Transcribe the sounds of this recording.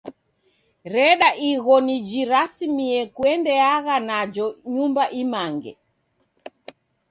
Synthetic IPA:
ɾɛɗaʔiɣɔnid͡ʒiɾasimiɛkwɛndɛaɣanad͡ʒɔɲumbaʔimaŋɡɛ̰

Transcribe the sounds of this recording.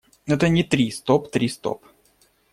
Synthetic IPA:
ɛt̪ənʲɪt̪ɾʲist̪opt̪ɾʲist̪o̰p

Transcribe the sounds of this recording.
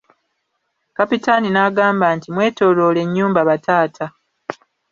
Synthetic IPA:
kapitaninaɡaːmbaːntimwe̞ːto̞ːlo̞ːle̞ɲːuːmbaβatʰaːtʰa

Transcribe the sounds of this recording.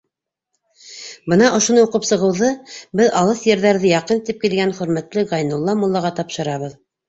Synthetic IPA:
bɤnɑʔŏʃŏnɤuqɤpsɤ̆ʁɤ̆wðɤbɘðɑlˠɤθjɘ̆ɾðæɾðɘjɑqɤnt̪ip̚kilɡænχɵ̆ɾmæt̪lɘɡɑjnulˠːɑmulˠːɑʁɑt̪ɑpʃɤ̆ɾɑβɤð

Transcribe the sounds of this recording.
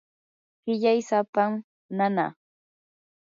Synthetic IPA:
ɢɪʎajsapam | nana̰

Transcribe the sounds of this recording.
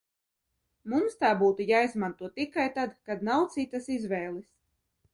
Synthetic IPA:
mumst̪aːbuːt̪ujaːizmant̪uɔt̪ikajt̪ad̪kad̪nawt̪sit̪ːɐsizvɛːlˠis

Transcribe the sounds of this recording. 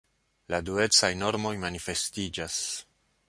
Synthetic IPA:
ladue̞t͡sajno̞ɾmo̞jmanife̞stid͡ʒas

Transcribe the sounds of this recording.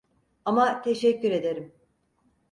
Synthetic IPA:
amat̪ʰe̞ʃɛcːyɾe̞d̪e̞ɾim

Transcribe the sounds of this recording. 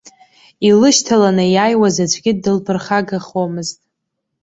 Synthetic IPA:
ilɨʃtʰalanɨjaːjwazat͡ʃʷʰʼɡʲɪːɨlpʰɨrχaɡaχomɨztʼ

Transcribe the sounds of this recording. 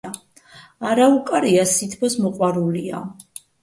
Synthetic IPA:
aɾaukʼaɾiasit̪ʰbʰɔsmɔqʼwaɾulia

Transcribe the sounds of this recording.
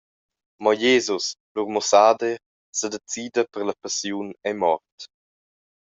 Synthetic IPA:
mɔjeːzusluɾmɔsaːd̪e | səd̪et͡siːd̪əpəɾlapasjunɛmɔrt

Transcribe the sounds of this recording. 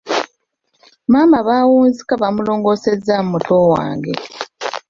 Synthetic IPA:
maːmbaβaːwuːnzikaβamulo̞ːŋɡo̞se̞zːamumutʰo̞wa̰ːŋɡe̞̰

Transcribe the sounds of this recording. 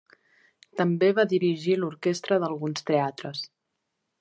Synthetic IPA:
t̪əmbeβaðiɾiʒiluɾkest̪ɾəðəlˠɣunst̪eat̪ɾəs

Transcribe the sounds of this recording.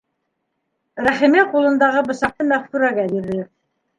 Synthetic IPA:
ɾæχimiqulˠɤ̆nd̪ɑʁɤbɤ̆ʃɑq̚t̪ɤmæχkʉɾæɡæbiɾðɘ

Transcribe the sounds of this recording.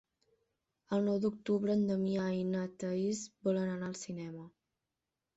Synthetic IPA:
əlˠnɔwd̪uk̚t̪uβɾəːnd̪əmiajnət̪əizbɔlənənaəlˠsinɛmə

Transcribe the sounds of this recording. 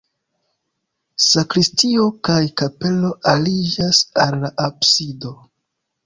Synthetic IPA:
sakɾistio̞kajkape̞lo̞ʔalid͡ʒasalːaʔapsido̞

